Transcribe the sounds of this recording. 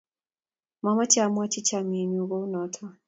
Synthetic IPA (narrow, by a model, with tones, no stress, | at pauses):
ma˦ma˦t͡ʃa˨mu˦a˦t͡ʃi˦t͡ʃa˨mi˨ni˧u˨ɣɔ˦u˦nɔtʰɔ˦